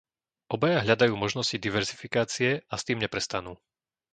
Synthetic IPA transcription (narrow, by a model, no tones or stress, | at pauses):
ʔɔbajaɦʎad̪ajuːmɔʒnɔscid̪iʋɛɾzifikaːt͡siɛast̪iːmɲɛpɾɛst̪anuː